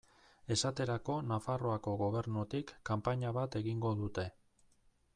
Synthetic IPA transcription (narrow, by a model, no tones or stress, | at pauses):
e̞sat̪e̞ɾako̞nafaro̞ako̞ɣo̞β̞e̞ɾnut̪ikːampaɲaβat̪e̞ɣiŋɡo̞ðut̪e̞